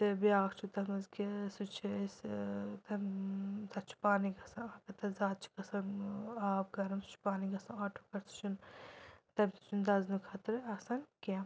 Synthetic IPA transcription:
t̪ɨbiaːkt͡ʃʰut̪ɐmɐzkisut͡ʃʰist̪ɐmt̪ɐtt͡ʃʰi̥paːniɡɐsɐnaːkɐt̪ɐzaːt̪̚t͡ʃʰi̥kɐsɐnaːb̚ɡɐɾɐmsu̥t͡ʃʰi̥paːniɡɐsɐ̃aːʈʰokɐɾt͡sʰu̥t͡ʃʰun | t̪ɐmt̪i̥t͡ʃʰund̪ɐznukʰɐt̪ɾɐsɐnkam

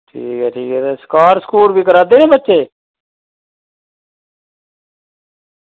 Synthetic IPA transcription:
ʈʰiːkɛːʈʰiːkɛːt̪eːsə̥kaːɾskuːlbʱiːk̬əɾaːd̪eːnẽːbətːt͡ʃeː

